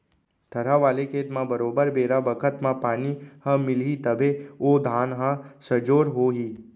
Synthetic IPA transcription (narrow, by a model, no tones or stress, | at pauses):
t̪ʰɐɾaʋaːlekʰeːt̪mãbəɾoːbəɾbeːɾabəkʰət̪mãpaːnihãmɪlɦit̪əbʱeod̪ʱaːnɦãsəd͡ʒoːɾɦoːɦiː